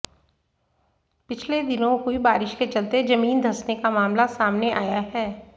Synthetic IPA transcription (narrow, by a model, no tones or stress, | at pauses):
pɪt͡ʃʰled̪ɪnõɦuibaːɾɪʃket͡ʃɐlt̪ed͡ʒɐmiːnd̪ʱɐsnekamaːmlasaːmneʔaːjaɦɛː